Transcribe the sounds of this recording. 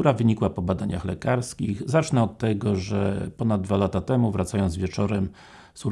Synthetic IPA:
uɾavɘɲikwapɔbad̪aɲaxlɛkaɾskʲiɣzat͡ʂnɛɔt̪ːɛɡɔʐɛpɔnad̪̚d̪valat̪at̪ɛmuvɾat̪sajɔnzvʲjɛt͡ʂɔɾɛm | su

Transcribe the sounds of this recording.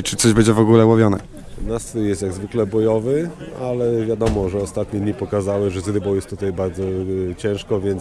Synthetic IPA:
t͡ʂɘt̪sɔʑbɛɲd͡ʑɛvɔɡulɛwɔvʲjɔnɛ̰ | nasjɛst̪jaɡzvɘklɛbɔjɔvɘalɛvʲjad̪ɔmɔʐɛɔst̪at̪ɲɛd̪ɲipɔkazawɘʐɛzɾɘbɔ̃wjɛst̪ːut̪ajbaɾd̪zɔt͡ɕɛ̃w̃ʂkɔvʲjɛnt̪s

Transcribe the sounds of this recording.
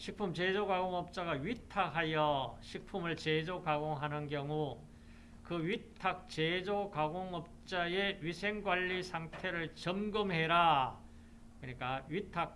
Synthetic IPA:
ɕʰik̚pʰumt͡ɕed͡ʑokaɡoŋʌp̚t͡ɕ͈aɡaɥitʰakɦajʌɕʰik̚pʰumɯɭt͡ɕed͡ʑokaɡoŋɦanɯnkjʌŋu | kɯɥitʰak̚t͡ɕed͡ʑokaɡoŋʌp̚t͡ɕ͈ae̞ɥisʰe̞ŋɡwaʎːisʰaŋtʰe̞ɾɯɭt͡ɕʌmɡɯmɦe̞ɾa | kɯɲik͈aɥitʰak̚

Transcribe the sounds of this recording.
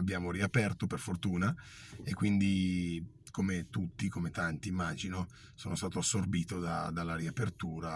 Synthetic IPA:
abːjaːmoɾiapɛrt̪operfort̪uːna | ekːwind̪i | komet̪ut̪ːikomet̪ant̪iːmːaːd͡ʒino | soːnost̪aːt̪oasːorbiːt̪od̪a̰d̪alːaɾiapert̪uːɾa

